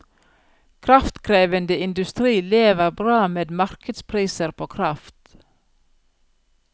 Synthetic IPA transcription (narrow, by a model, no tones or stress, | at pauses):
kʰɾɑft̪kʰɾeːʋənd̪əɪnd̪ʉst̪ɾiːleːʋəɾbɾɑːmeːd̪mɑɾkʰəd̪spʰɾiːsəɾpʰoːkʰɾɑft̪